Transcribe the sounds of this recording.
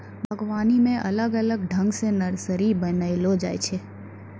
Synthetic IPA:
bʱəɡʋaːnimẽʔɐ̰ləɡələɡɖʱə̃ŋɡsẽnəɾsəɾibənəɪlod͡ʒa̰ːjt͡ʃʰe

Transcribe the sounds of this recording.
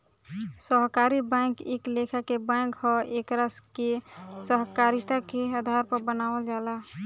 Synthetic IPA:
səɦkaːɾibɛ̃ːŋkeːkleːkʰakebɛ̃ŋkhɔeːkɾaskesəɦkaːɾɪt̪akead̪ʱaːɾpəɾbənaːwəld͡ʒaːla

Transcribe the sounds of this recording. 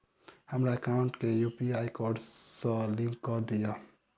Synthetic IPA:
həmɾaekaʊ̃ɳʈkejupiajkɔɾɖsə̃lĩŋkːɔd̪ija

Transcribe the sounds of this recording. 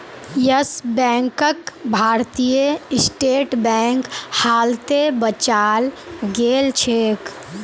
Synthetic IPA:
jəsbɛ̃ːŋkəkbʱaːɾt̪ijəɪsʈeːʈbɛ̃ːŋkhaːlt̪ebət͡ʃaːlɡeːlt͡ʃʰeːk

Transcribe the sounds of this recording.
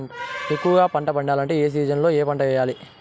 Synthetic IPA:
ekːuʋɐɡaːpɐɳʈɐpɐɳɖaːlɐɳʈe̞ːeːs̬iːd͡ʒɐnlo̞ːeːpɐɳʈɐʋɛːjaːli

